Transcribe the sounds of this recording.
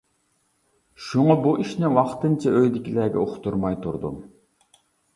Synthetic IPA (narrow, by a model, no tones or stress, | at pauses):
ʃuŋɑbuʔiʃnɪwɑχt̪ɨnt͡ʃʰɑøjd̪ɪkʲʰilɛɡʲɛ̰oqʰʊ̥t̪uɾmɑjt̪ʰṵɾd̪ṵm